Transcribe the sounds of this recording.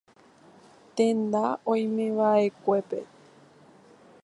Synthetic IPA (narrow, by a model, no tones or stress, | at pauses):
t̪ẽnd̪aõj̃mẽʋaʔe̞kʷe̞pe̞̰